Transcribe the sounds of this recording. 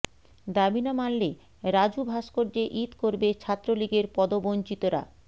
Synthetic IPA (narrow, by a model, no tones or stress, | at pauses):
d̪abinamalːe | ɾad͡ʑubʱaʃkoɾd͡ʑeʔit̪koɾbet͡ɕʰat̪ːɾoliɡeɾpɔd̪obont͡ɕit̪oɾa̰